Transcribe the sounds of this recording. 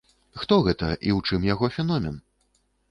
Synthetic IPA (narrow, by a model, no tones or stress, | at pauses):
xt̪ɔɣɛt̪ɐʔiwt͡ʂɨmjaɣɔfʲɛnɔmʲɛn